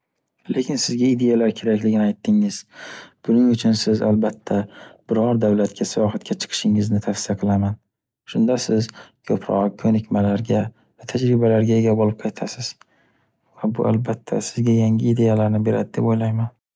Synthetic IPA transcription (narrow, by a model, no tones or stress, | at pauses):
le̞kʲɪnsɪzɡʲaɪd̪e̞jalaɾkʲʰe̞ɾakʲlɪɡʲɪnɪajt̪ːɪŋɪz̥b̥ʊnɪŋʊt͡ʃʰʊnsɪza̰lbat̪ʰːab̥ɪɾɒɾd̪awlat̪kʲʰasijɒɦat̪̚kʲat͡ʃʰɨ̥qʰɨ̥ʃɪŋɪznɪt̪ʰafsɪjaqʰɨlˠaman | ʃʊnd̪asɪzkʰɵpʰɾɒ̰kʰɵnɪkʲmalaɾɡʲa | vat̪ʰad͡ʒɾɪbalaɾɡʲae̞ɡʲabolɪp̚qʰɑjt̪ʰasɪz̥ | vabʊʔalbat̪ʰːa̰sɪzɡʲajaŋɡʲɪːd̪e̞jalaɾnɪbe̞ɾa̰d̪ɪd̪e̞pojlajman